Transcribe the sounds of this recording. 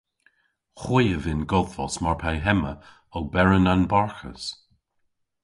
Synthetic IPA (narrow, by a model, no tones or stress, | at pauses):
xwijəvɪnɡɔðvɔsmaɹpʰajɦɛmə | ɔɡ̚bɛɹənanbaɹxə̰s